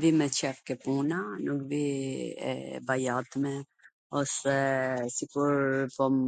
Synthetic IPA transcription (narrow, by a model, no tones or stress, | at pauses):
vimɛt͡ʃɛfkɛpunanukviɛ̰bajat̪mɛ | ɔsɛsikuɾpɔm